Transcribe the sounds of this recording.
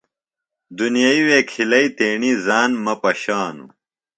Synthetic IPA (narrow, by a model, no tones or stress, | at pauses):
d̪unijaiweːkʰilɐit̪eːɳizaːnmɐpɐɕaːnṵ